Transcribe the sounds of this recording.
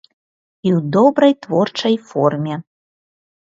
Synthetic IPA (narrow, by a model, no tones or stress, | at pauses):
iud̪obɾɤjt̪vort͡ʃəjformʲe